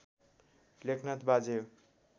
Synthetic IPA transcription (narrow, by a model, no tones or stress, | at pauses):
lekʰnat̪bad͡ze